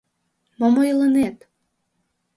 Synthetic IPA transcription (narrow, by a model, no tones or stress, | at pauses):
momojlənet̪